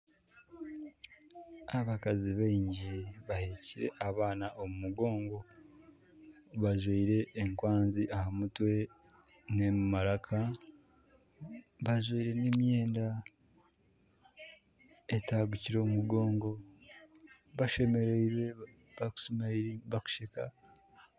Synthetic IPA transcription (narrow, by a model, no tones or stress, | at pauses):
aβakaziβaiɲɟiβaheciɾe̞̰ʔaβaːnaʔomumuɡo̞ːŋɡo̞ | βaʒwiiɾe̞ʔːŋkwaːnziʔahamutwe̞ | nemmaɾakʰa | βaʒwiiɾe̞nemje̞ːnda | etaɡuciɾo̞ːmuɡo̞ːŋɡo̞ | βaʃe̞me̞ɾeiɾwe | βaku̥smaiβaku̥ʃeka